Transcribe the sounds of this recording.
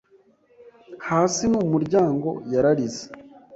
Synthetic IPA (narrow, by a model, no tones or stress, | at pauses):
haːsinumuɾɟaːŋɡo̞̰jaɾaɾize̥